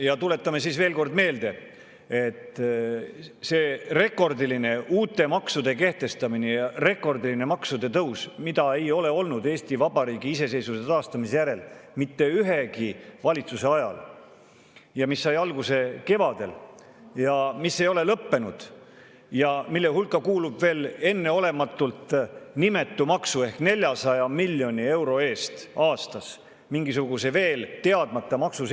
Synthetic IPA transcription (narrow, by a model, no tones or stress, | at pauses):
jɑt̪ule̞t̪ːˑɑme̞siːsve̞ːlko̞rd̪̥me̞ːld̪e̞ | et̪ːˑ | se̞ːre̞kːˑo̞rd̪iline̞uːt̪ːˑe̞mɑksud̪̥e̞ke̞ht̪e̞st̪ɑminejɑre̞kːo̞rd̪iline̞mɑksud̪e̞t̪ɤwsmid̪ɑe̞jo̞le̞o̞lnud̪e̞ːst̪ivɑb̥ɑɾiːɡiise̞se̞jsuset̪ɑːst̪ɑmise̞jæɾe̞lmit̪ːe̞yɦe̞kivɑlʲit̪suse̞ɑjɑ̰l | jɑmisːɑjɑlɡuse̞ke̞vɑd̪̥e̞̰l | jɑmisːe̞jo̞le̞lɤpːe̞nud̪̥ | jɑmilːehulkːˑɑkuːlub̥ve̞ːle̞nːe̞o̞le̞mɑt̪ːˑult̪nime̞t̪ːˑumɑksue̞hkne̞lʲjɑsɑjɑmilʲːjo̞nʲie̞wɾo̞e̞ːst̪ʔɑːst̪ɑs | miŋɡis̬uɡ̥useve̞ːlt̪e̞ɑd̪̥mɑt̪ːˑɑmɑksus